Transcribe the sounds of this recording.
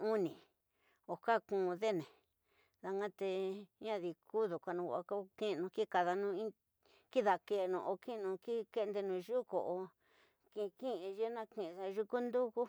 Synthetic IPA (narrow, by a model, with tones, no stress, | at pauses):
u˦nĩ˨ | o˨ka˦˨kũ˧˨˧ðe˦˨nẽ˨ | ða˧ŋɡã˦t̪e˧˦ã˦ði˧˨ku˦ðu˨kʷa˧nũ˧a˧ko˦kĩ˦˧nũ˧ki˦ka˧ða˧nũ˧ĩ˦ | ki˦ða˨ke˧nṵ̃˧˨o˧kĩ˦˧nũ˧ki˦ke˦˧nd̪e˧nũ˨˧ʒu˦ko̰˨ʔo˧ | ki˧kĩ˦ĩ˧ʒe˦nã˦kĩ˧˨˧ða˧ʒu˧ku˦nd̪u˦ku˦